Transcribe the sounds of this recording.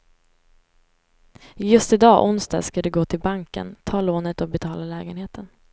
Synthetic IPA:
jɵst̪ɪd̪ɑːʔʊnst̪ɑ̰ːɡskad̪ɵɡoːt̪ʰɪlbaŋkə̰nt̪ʰɑːloːnət̪ɔbɛt̪ʰɑːlalɛːɡənheːt̪ʰən

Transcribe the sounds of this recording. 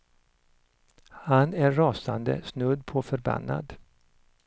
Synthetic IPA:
hanæːɑːsand̪ə̰snɵd̪pʰɔfœɾba̰nːa̰d̪

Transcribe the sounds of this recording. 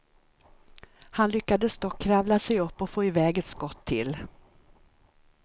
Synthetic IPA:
hanlʏkːad̪əst̪ɔkʰːɾavlasɛjɵpːɔfoːɪvɛːɡɛt̪skɔt̪ʰːɪ̰l

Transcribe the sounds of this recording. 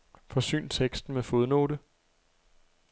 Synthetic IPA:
fɒ̽sy̰ːnt͡sʰeɡ̥sd̥n̩mefo̝ð̞ˠno̝̰ːɾə

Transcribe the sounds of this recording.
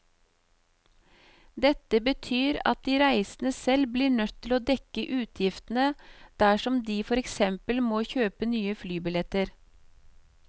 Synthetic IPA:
d̪ɛt̪əbət̪ʰyːɾɑ̰t̪̚d̪iːɾæɪsn̩əsɛlbliːɳœt̪ʰːɪloːd̪ɛkəʔʉːt̪ʰjɪft̪n̩əd̪̥æʃɔmd̪iːfɔɾɛksɛmpəlmoːçøːpənyːəflyːbɪlɛt̪əɾ

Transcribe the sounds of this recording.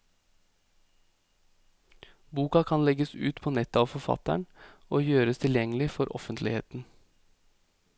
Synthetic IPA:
buːkɑkʰɑnlɛɡəsʉːt̪pʰoːnɛt̪əɑːʋfɔfɑ̰t̪æ̰ɳoːjøːɾəst̪ʰɪljɛŋəlɪfɔɾʔɔ̰fənt̪lɪhḛːt̪n̩

